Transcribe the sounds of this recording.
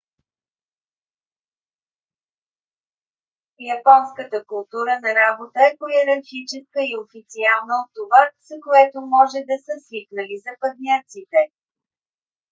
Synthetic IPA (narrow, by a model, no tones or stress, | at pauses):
jɐpɔnskət̪əkʊlˠt̪uɾənɐɾabot̪əɛpojɛɾɐɾxit͡ʃɛskəiofit̪sialˠnəot̪ːovaz̥əkoɛt̪omɔʒɛd̪ɐsəsliknəlizɐpɐd̪nʲat̪sit̪ɛ